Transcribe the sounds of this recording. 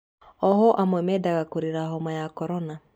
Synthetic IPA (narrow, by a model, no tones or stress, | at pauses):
ɔɦɔʔamwɛmɛːdaɣakoɾeɾaɦɔmajakɔɾɔna